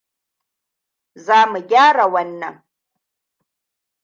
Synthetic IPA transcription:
zaː˦mu˨ɡʲaː˦ɽa˨wɐ˦nːɐ˨ŋ

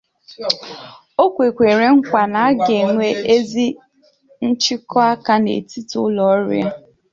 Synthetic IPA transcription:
o˦kʷe˨kʷe˨ɾe˨ŋ̩˦kʷa˨na˨a˦ɡe˨ŋʷe˦e˦zi˦ | n̩˦t͡ʃɪ˦kɔ˦a˦ka˦nḛ˨ti˦tʊ̰˦lɔ˨˦ɾ̰a˦

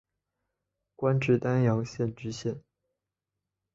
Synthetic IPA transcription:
kwa˥nʈ͡ʂɻ̩˥˩t̪a˥njɑ˧˥ŋɕjɛ˥˩nʈ͡ʂɻ̩˧˥ɕjɛ˥˩n

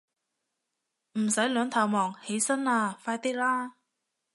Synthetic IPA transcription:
m̩˨˩sɐ˨˥jlœː˨˧ŋt̪ʰɐ˨˩wmɔː˨˩ŋhe˨˥jsɐ˥naː˧faː˧jt̪iː˥laː˥

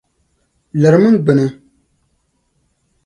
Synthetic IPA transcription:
lɛ˨ɾɨ˨˦mɨ˦n˦ɡ͡bɨ˨nɨ˨

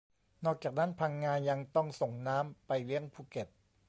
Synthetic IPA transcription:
nɔː˥˩k̚t͡ɕaː˨˩k̚na˦˥npʰaː˧ŋːaː˧nja˧ŋt̪ɔ˥˩ŋso˨˩ŋnaː˦˥mpa˧jlɯ˥˩əŋpʰuː˧˩ke˨˩p̚

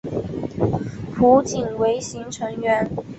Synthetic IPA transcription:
pʰu˧˥t͡ɕi˨˩nwe˧˥ɪɕi˧˥ŋʈ͡ʂʰɤ˧˥ŋɥɛ˧˥n

